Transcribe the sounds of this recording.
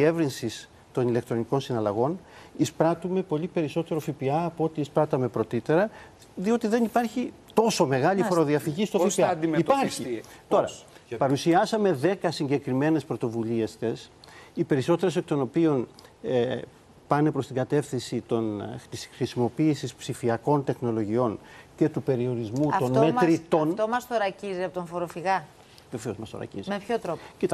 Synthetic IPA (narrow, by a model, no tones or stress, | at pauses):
ievɾinsis | t̪o̞nilek̚t̪ɾo̞niko̞nsinɐlɐɣo̞nispɾɐt̪ume̞po̞lipe̞ɾiso̞t̪e̞ɾo̞fipiɐːpoo̞t̪iːspɾɐt̪ɐme̞pɾo̞t̪it̪e̞ɾɐ | ðio̞t̪iðe̞nipɐɾçi | t̪o̞so̞me̞ɣɐʎifoɾo̞ðiɐfiʝist̪ofipiɐd̪ipɐɾçit̪o̞ɾɐpɐɾusiɐsɐme̞ðe̞kɐsiɲɟe̞kɾime̞ne̞spɾo̞t̪o̞vulie̞st̪e̞sipe̞ɾiso̞t̪e̞ɾes̬ek̚t̪o̞no̞pio̞ne | pɐne̞pɾost̪iŋɡɐt̪e̞fθinsit̪o̞nisxɾisimo̞piːsispsifiɐko̞nt̪e̞xno̞lo̞ʝio̞nce̞t̪upe̞ɾio̞ɾizmut̪ont̪meɾit̪ont̪omɐst̪oɾɐciziɐpot̪oɱfoɾofiɣɐ | ðefeozmɐst̪o̞̰ɾɐ̰cḭzimepçot̪ɾopo̥cit̪